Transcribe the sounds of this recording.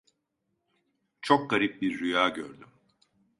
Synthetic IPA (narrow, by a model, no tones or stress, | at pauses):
t͡ʃʰo̞k̚ɡaɾip̚biɾːyjaːɟø̰ɾd̪ym